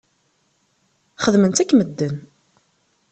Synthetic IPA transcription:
χəðmənt̪ækːməd̪ːən

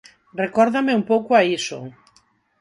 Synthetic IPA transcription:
rekɔɾðameumpowkoaiso̰

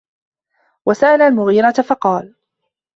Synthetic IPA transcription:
wasaʔalaːlmʊɣiːɾat̪afɑqɑːl

